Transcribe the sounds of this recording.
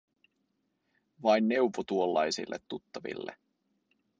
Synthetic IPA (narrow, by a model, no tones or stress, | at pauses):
ʋɑjnːe̞wʋot̪uolːɑjsḭlːet̪ːut̪ːɑʋḭlːḛ